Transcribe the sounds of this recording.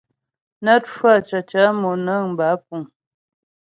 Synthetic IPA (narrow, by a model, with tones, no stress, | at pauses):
nə˦t̚fwa˦˨t͡ʃa˨t͡ʃa˨˦mo˨nə˦˨ŋm̩˨ba˨˦p̚u˨ŋ